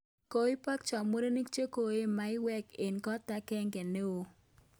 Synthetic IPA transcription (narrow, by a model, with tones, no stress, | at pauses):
ko˦i˦pa˦kt͡ʃɔ˨mo˦ɾe˦ni˦kt͡ʃe˦ko˨e˦ma˨ɪ˦wɛ˦ke˨nkɔ˦ta˦kɛ˦ŋɡɛ˨ne˦o˨